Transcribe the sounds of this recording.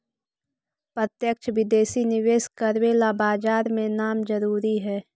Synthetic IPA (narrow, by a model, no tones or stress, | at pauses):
pɾət̪jəkʃʰʋɪd̪eːsinɪʋeːskəɾweːlabaːd͡ʒaːɾmẽnaːmd͡ʒəɾuːɾiɦɛː